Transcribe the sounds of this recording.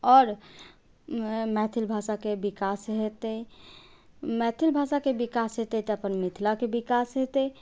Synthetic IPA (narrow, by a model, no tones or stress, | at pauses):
ɔːɾ | mɛt̪ʰilbʱasakebikasɦet̪əj | mɛt̪ʰilbʱasakebikasɦet̪əjt̪əpənmit̪ʰlakebikasɦet̪ɛj